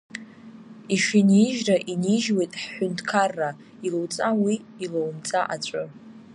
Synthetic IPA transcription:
iʃiniʒraʔiniʒwejtʼħːʊntʰkʰarːa | ilowt͡sʼawiːlowmt͡sʼaʔat͡ɕʷʼʊ

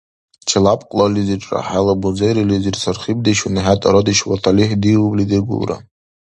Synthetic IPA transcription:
t͡ʃʰalapʼqʼlaliziʈ͡ʂʼa̰ħalabud͡zejɾilizirsarχib̚daʃunħatʼaɾodiʃwatʰaliħdiwblidɨɡʷṵlra̰

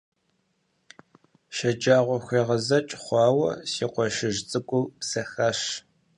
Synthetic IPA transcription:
ʃɐd͡ʒaːʁʷɔxʷeːʁɐzɐt͡ʃʼχʷɑːwɐ̰siːqʷɔʃɪʒt͡sʼɨkʷʼupsɐxɐʃ

